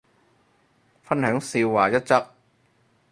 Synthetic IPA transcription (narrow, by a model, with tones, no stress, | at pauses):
fɐ˥nhœː˨˥ŋsiː˧wwaː˨˩jɐ˥t̚t͡sɐ˥k̚